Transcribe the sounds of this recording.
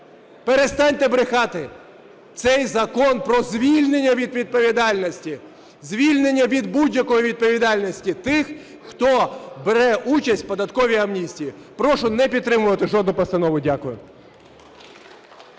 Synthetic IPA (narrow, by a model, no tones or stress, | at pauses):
peɾest̪ɑnʲt̪ebɾɪxɑt̪ɪ | t̪sɛjzɐkɔnpɾɔzʲʋʲilʲnenʲːɐʋʲid̪ʋʲid̪̚pɔʋʲid̪ɑlʲnɔsʲtʲi | zʲʋʲilʲnenʲːɐʋʲid̪budʲjɐkɔjiʋʲid̪̚pɔʋʲid̪ɑlʲnʲɔsʲtʲit̪ɪx | xt̪ɔbeɾɛʔut͡ʃɐsʲtʲpɔd̪ɐt̪kɔʋʲiɐmnʲisʲtʲijipɾɔʃʊnɛpʲit̪t̪ːɾɪmʊʋɐt̪ɪʒɔd̪nʊpɐst̪ɐnɔʋʊdʲakʊjʊ